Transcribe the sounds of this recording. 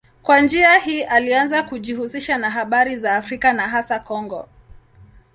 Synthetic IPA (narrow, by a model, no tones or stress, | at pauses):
kwand͡ʒiahiːʔalianzakuʄihusiʃanaɦaɓaɾizaːfɾikanaɦasakɔŋɡɔ̰